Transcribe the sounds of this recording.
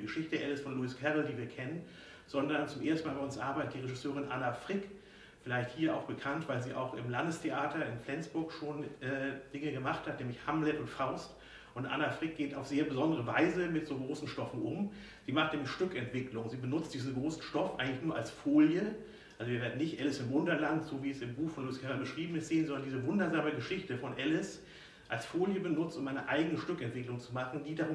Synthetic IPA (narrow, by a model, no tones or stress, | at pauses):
ɡ̥əʃɪçtəʔɛlɛsfɔnluiskʰɛʁl̩diːviːɐkʰɛnən | z̥ɔndɐnt͡sʊmʔeːɐstn̩maːbaɐʊnsʔa̰ɐbaɪtətd̥iːʁeʒɪsøːʁɪnʔanafʁ̥ɪk | fɪlaɪçthiːɐʔa̰ʊxb̥əkʰantv̥aɪlziːʔa̰ʊxɪmlandəstʰeʔaːtɐɪnflɛnt͡sb̥ʊɐkʃoːnʔɛːd̥ɪŋəɡəmaχthatnɛːmlɪçhamlɛtʊntfaʊst | ʔʊntʔa̰nafʁ̥ɪk̚ɡ̥eːtaʊfz̥eːɐbəzɔndəʁəvaɪzəmɪtz̥oːɡʁoːsn̩ʃtɔfn̩ʔʊm | z̥iːmaχtnɛːmlɪçʃtʏkɛntv̥ɪklʊŋziːbənʊt͡std̥iːzn̩ɡʁoːsn̩ʃtɔfʔa̰ɪɡŋtlɪçnuːɐʔalsfoːljə | ʔalzoviːɐveːɐdn̩nɪçtʔɛlɪsɪmvʊndɐlantz̥oːviːɛsɪmbuːxfɔnlʊɪskʰɛʁabəʃʁ̥iːbm̩ɪsteːnzɔndɐndiːzəvʊndɐzaːməɡəʃɪçtəfɔnʔɛlɪs | ʔalsfoːljəbənʊt͡stʊmʔaɪnəʔaɪɡənəʃtʏkɛntv̥ɪklʊŋt͡sumaχn̩diːdaʁʊ